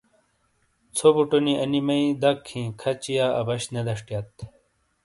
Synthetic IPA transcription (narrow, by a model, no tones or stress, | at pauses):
t͡sʰobuʈoniɐnimɐĩd̪ɐkʰĩːkʰɐt͡ɕijaɐ̰bɐɕned̪ɐʂʈjɐt̪̚